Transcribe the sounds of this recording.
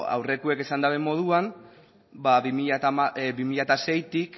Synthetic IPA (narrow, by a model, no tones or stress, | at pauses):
a̰wre̞kue̞ke̞sand̪aβe̞mo̞ð̞uan | baβimiaaabimiʎat̪ase̞jt̪ik